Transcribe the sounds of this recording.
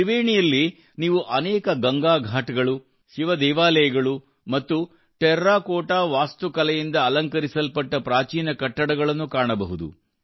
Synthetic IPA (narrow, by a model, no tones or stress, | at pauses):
iʋeːɳijɐlːi | niːʋuʔɐnɛːkɐɡɐŋɡaːɡʱaːʈɐɡɐɭu | ʃiʋɐd̪ɛːʋaːlɐjɐɡɐɭu | mɐt̪ːu | ʈɛɾːaːkoːʈaːʋaːst̪ukɐlɛjind̪ɐːlɐŋkɐɾisɐlpɐʈːɐpɾaːt͡ʃiːnɐkɐʈːɐɽɐɡɐɭɐnːukaːɳɐbɐɦud̪ṵ